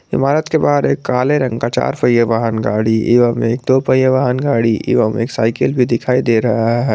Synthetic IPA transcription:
ɪ̰maːɾət̪kebaːɾeːkːaːleɾɐ̃ŋkat͡ʃa̰ːɾpɐjəʋaːɦənɡaːɽiɪʋəmeːk̚d̪oːpəjəʋaːɦənɡaːɽiʔɪ̰ʋəmḛːksa̰ːɪkəlbʱid̪ɪkʰaːid̪eːɾɐɦaɦɛː

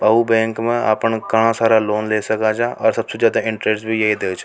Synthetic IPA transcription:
bɐɦubɛ̃ːŋkmẽa̰ːpənkɐɽ̃ãsaːɾaloːnleːsɐkad͡ʒaʔɔːɾsɐbsed͡ʒjaːd̪aɪ̃ɳʈɾeːssbʱijɐɦid̪eːt͡ʃʰ

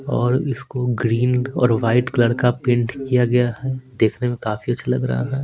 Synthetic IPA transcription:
ɔːɾɪskoɡɾiːnɔ̰ːɾʋaːɪʈkləɽkapɪ̃ɳʈkijaɡɐjaɦɛd̪eːkʰnemẽkaːfiɐtːʃʰalɐ̰ɡɾɐ̰ɦa̰ɦɛː

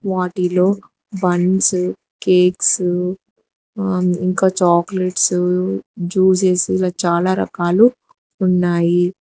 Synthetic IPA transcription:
ʋaːʈilo̞ː | bɐnɖs | keːks | iŋkaːt͡ʃaːkleʈs | d͡ʒuːs̬eːsiːlaːt͡ʃaːlaːɾɐ̰kaːluː | nːaːji

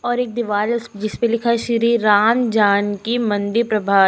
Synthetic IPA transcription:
ɔːɾeːk̚d̪ɪʋaːlsd͡ʒɪspẽlɪkʰaʃɾiːɾaːmd͡ʒaːnkimɐ̃nd̪ɪɾpɾɐbʱaː

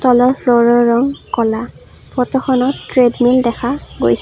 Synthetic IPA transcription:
tɔlɔɹpʰloɹɔɹːɔŋkɔla | pʰɔtɔxɔnɔtːɹedmildɛkʰaɡojs

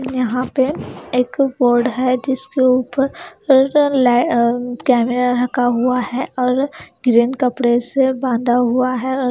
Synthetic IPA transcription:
jɐɦãpeeːkboːɾɖɦɛd͡ʒɪskeuːpəɾɾlɛkɛːmeɾaɾɐkʰaɦuaɦɛʔɔːɾɡɾiːnkɐpɽesebãːnd̪ʱaɦuaɦɛɔː

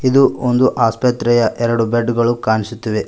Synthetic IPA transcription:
id̪uond̪uʔaːspɐt̪ɾɛjɐʔɛɾɐɽubeɖɡɐɭukaːɳisut̪ːiʋe

